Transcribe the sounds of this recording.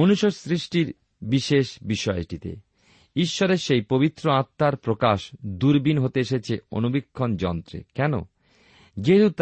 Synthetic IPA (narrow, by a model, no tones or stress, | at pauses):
monuʃosɾiʃʈiɾ | biʃeʃbiʃɔeʈit̪ḛ | iʃːɔɾeɾʃejpobit̪ːɾoat̪ːaɾpɾokaʃd̪uɾbinɦot̪eeʃet͡ɕʰeo̰nubikʰːond͡ʑɔnt̪ɾḛkɛno̰ | d͡ʑeɦt̪ut̪